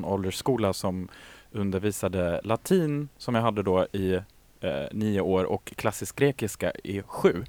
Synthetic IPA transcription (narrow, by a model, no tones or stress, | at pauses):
nɔld̪əʂkuːlasɔmɵnd̪əɾviːsad̪əlat̪ʰiːnsɔmjaːɦad̪ːəd̪oɪ | niːʊoːɾɔ̰kʰːlasːɪsk̚ɡɾeːkɪska̰ɪɧʉ̟ː